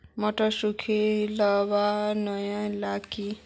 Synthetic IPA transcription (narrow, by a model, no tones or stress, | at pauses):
mɔʈɔsukʰelɔbanʌjãlaki